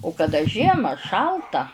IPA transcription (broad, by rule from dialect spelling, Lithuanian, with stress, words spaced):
ʊ kɐˈdɐ ˈʒʲiɛmɐ ˈʃɐlˠtɐ